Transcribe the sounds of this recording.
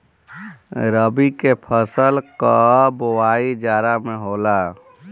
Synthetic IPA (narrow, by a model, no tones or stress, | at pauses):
ɾəbikepʰəsəlkəbowaːid͡ʒaːɾamẽɦoːla